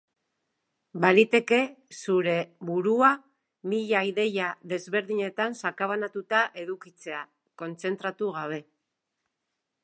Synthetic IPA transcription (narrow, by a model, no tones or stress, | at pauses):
baɾit̪e̞ke̞suɾe̞βuɾua | miʎaiðe̞jaðe̞zβe̞ɾðiɲe̞t̪ansakaβanat̪ut̪aʔe̞ðukit͡se̞a | ko̞nt͡se̞nt̪ɾat̪uɣ̞aβ̞e̞